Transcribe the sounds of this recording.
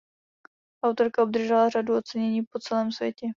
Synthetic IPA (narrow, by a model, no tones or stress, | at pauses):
ʔawt̪o̞ɾkaob̚d̪r̩ʒɛlaraduo̞t͡sɛɲɛɲiːpo̞t͡sɛlɛːmsvʲjɛcɛ